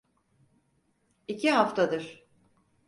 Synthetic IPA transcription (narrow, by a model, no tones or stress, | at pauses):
icʰiɦaft̪ʰad̪ɯɾ̥